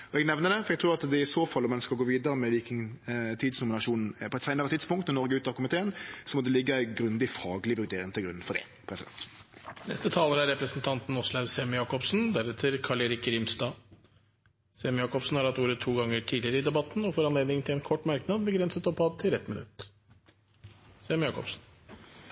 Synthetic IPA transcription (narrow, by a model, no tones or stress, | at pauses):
ɔɛɡnɛʋnəɖ̪ɛfɔɾɛɡt̪ʰɾuːɑt̪d̪ɛɪsoːfɑlːɔmɛnskɑlɔɡoːʋiːd̪əɾəmɛʋikɪŋt̪ʰiːd̪snʊmɪnɑʂuːnn̩pʰɔɛt̪sæɪnəʁət̪ʰɪd̪spʊŋkt̪nɛnɔɾɡəʉːt̪ɑkʰʊmɪt̪ʰeːənsɔmɔd̪ɛlɪɡːəæɪɡɾʉnd̪ɪfɑːɡlɪʋʉɾd̪eːɾɪŋt̪ʰɪlɡɾʉ̰nːfɔdɖɛ̰ | pʰɾɛsɪd̪ɛ̰nt̪nɛ̰st̪ət̪ʰɑːləɾæɾɛpɾəsnt̪ʰɑnt̪n̩ɔslɑʉsɛmjɑːkɔpsnd̪æɾɛt̪ʰəɾkʰɑɭɛɾɪkːəɾɪmst̪ɑː | sɛmjɑːkɔpsn̩hɑɾhɑt̪uːɾət̪ʰːuːɡɑŋːəʈʰiːdlɪəɾəɪd̪ɛbɑt̪ːn̩ɔfɔɾɑnleːd̪nɪŋt̪ʰɪlɛnkʰɔʈːmɑɾknɑd̪bəɡɾɛnsət̪ɔpɑːd̪̚t̪ʰɪlɛt̪mɪnʉ̰t̪ | sɛmjɑːkɔ̰psn̩